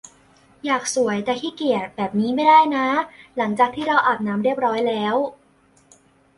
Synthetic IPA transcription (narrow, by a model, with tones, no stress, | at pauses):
jaː˨˩k̚su˩˦əjt̪ɛː˨˩k̪ʰiː˥˩ki˨˩ət̪̚bɛː˨˩p̚niː˦˥ma˥˩jdaː˥˩jna˦˥la˩˦ŋt͡ɕaː˨˩k̚t̪ʰiː˥˩ɾa˧wʔaː˨˩p̚naː˦˥mɾi˥˩əp̚ɾɔː˦˥jlɛː˦˥w